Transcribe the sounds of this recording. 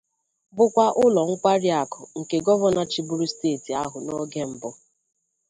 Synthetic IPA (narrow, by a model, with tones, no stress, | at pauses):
bʊ˦kʷa˦ʔʊ˦lɔ˨ŋ̩˦kʷa˦ɾi˦a˨kɔ˨ŋ̩˨ke˨ɡɔ˦bɔ˦na˦t͡ʃi˨bu˦ɾu˦steː˦˨ti˨a˦ɦʊ˨no˦ɡe˦m̩˨bʊ˦